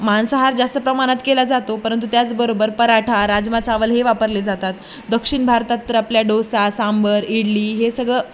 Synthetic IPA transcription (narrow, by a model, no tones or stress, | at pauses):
mansəɦaɾd͡zast̪əpɾəmaɽ̃at̪kelad͡zat̪opəɾənt̪ut̪jat͡sbəɾobəɾpəɾaʈʰaɾad͡zmat͡saʋəlɦeʋapəɾled͡zat̪at̪ | d̪əkʂiɳbʱaɾt̪at̪ːəɾapljaɖosasambʱəɾiɽliːɦesəɡɭə